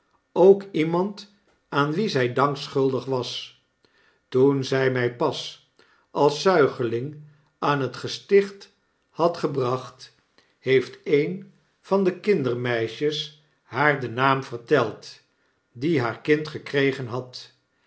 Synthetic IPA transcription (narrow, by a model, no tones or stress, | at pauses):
owkimɑnt | aːnʋizɛjdɑŋksχɵlˠdəχʋɑs | tunzɛjmɛjpɑs | ʔɑlˠsœɥχəlɪŋ | aːnɦətχəstɪχt | hɑtχəbrɑχt | hejftejn | v̥ɑndəkɪndərmɛjʃəs | hɦaːɹdənaːmvəɹtɛlˠt | diɦaːɹkɪntχəkrejχənɦɑt